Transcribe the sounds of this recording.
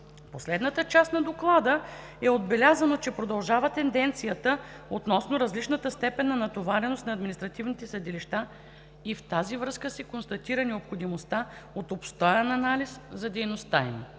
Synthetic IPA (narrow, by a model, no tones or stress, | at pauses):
poslɛd̪nət̪ət͡ʃasnɐd̪oklˠad̪ə | ɛod̪̚bɛlʲazɐnot͡ʃɛpɾod̪ɐlˠʒavət̪ɛnd̪ɛnt̪sijət̪ə | ot̪nɔsnoɾɐzlit͡ʃnət̪əst̪ɛpɛnːɐnɐt̪ovaɾɛnost̪nɐːd̪minist̪ɾɐt̪ivnit̪ɛsɐd̪iliʃt̪a | ift̪azivɾɤskəsɛkonst̪ɐt̪iɾənɛopxod̪imost̪aot̪opst̪ɔjɛnɐnaliszɐd̪ɛjnost̪aim